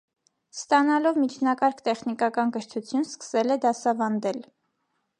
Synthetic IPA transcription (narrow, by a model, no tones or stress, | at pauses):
st̪ɑnɑlɔvmit͡ʃʰnɑkɑɾkʰt̪ɛχnikɑkɑnkəɾt̪ʰut͡sʰjunskə̥sɛlɛd̪ɑsɑvɑnd̪ɛl